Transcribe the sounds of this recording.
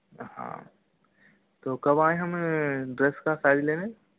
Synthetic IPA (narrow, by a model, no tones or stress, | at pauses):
hã̰ː | t̪oːkɐbaːẽɦɐmɖɾeːskasaːd͡ʒleːne